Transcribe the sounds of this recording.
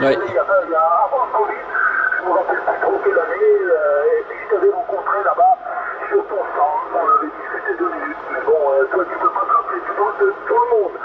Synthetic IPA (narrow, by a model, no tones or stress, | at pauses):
ɛejapaijaːvɑ̃sɑ̃viʒəvuʁapɛlpit̪χokəlaneøepɥiʒət̪avɛʁɑ̃kɔ̃t̪χelabasyʁt̪ɔ̃sɑ̃ɔ̃navɛd̪iskʲyt̪ed̪ənymɛbɔ̃øt̪wat̪ypøpãt̪χapet̪yd̪ɔ̃d̪ət̪uləmɔ̃d̪